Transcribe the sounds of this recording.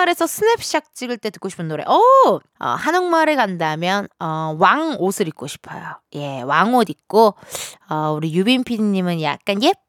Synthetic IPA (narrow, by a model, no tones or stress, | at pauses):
aɾe̞sʰʌsʰɯnepʰɕ͈ak̚t͡ɕ͈iɡɯɭt͈e̞tɯ̥k͈oɕʰi̥pʰɯnːoɾe̞̰ʔʌ | ʌ̰hanoŋmaɾɯɭɡandamjʌnʌwaŋosʰɯɾik͈̚oɕʰi̥pʰʌ̰joje̞waŋodik͈oʌuɾijubinpʰiɲimɯnja̰k̚k͈anje